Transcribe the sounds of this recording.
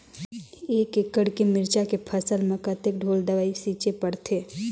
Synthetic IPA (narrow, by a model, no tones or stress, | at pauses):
eːkekːəɽkemɪɾt͡ʃakepʰəsəlmẽkət̪ek̚ɖʱoːlɖəʋaːisiːt͡ʃepɐɽt̪ʰeː